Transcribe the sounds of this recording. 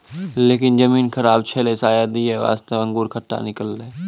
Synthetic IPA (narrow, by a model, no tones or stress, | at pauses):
leːkɪnzɐmiːnxɐɾaːb̚t͡ʃʰeːlesaːjaːd̪iɛʋa̰ːst̪eɐ̃ŋɡuːɾkʰɐʈːa̰nɪkəlːɛː